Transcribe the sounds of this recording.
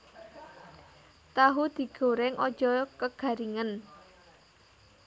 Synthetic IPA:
t̪aɦud̪̥i̤ɡ̥o̤ɾɛŋʔɔd̥ʒ̥ɔkəɡ̥a̤ɾiŋən

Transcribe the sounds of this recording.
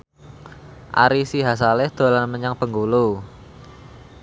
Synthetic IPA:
ʔa̰ɾisiɦas̬alɛhd̪̥o̤lanməɲaŋpəŋɡulu

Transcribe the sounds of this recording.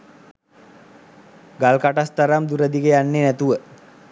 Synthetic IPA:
ɡalkaʈast̪aɾamd̪uɾəd̪ikəjanːenæt̪uʋə

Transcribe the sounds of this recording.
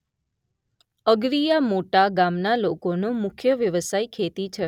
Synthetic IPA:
əɡɾijamoʈaɡamnalokonomʊkʰjəʋjəʋəsajkʰet̪it͡ʃʰe

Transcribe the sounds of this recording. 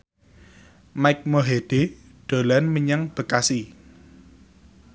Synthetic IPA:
maɪjk̚moɦeɖ̥e | ɖ̥o̤lanməɲaŋb̥ə̤kasi

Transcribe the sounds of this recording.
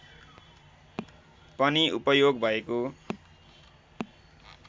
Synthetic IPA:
pʌniʔupʌjoɡbʱʌeko

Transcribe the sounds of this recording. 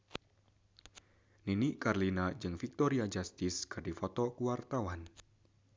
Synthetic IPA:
ninikarlinad͡ʒɨŋfik̚t̪ɔɾiad͡ʒast̪ɪskɨdifɔt̪ɔkuwart̪awan

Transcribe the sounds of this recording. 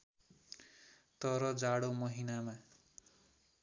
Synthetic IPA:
t̪ʌɾʌd͡zaɽomʌɦinama

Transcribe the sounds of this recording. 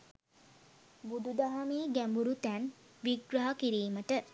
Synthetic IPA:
bud̪ud̪aɦameːɡæmbuɾut̪æn | ʋiɡɾaɦakiɾiːməʈə

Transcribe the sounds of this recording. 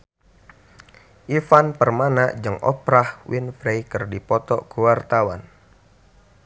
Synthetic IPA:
ʔifanpərmanaʔd͡ʒɨŋʔɔ̰pɾahwinfɾejkɨrdipɔt̪ɔkuwart̪awan

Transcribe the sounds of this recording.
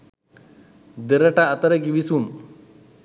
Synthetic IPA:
d̪əɾɐʈaːt̪ɐɾəɡiʋisum

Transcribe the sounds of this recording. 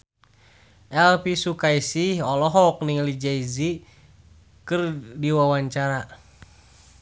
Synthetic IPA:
ʔɛlpisukaisihɔlɔɦɔk̚niŋlid͡ʒaizi | kɨrdiwawaɲt͡ʃaɾa

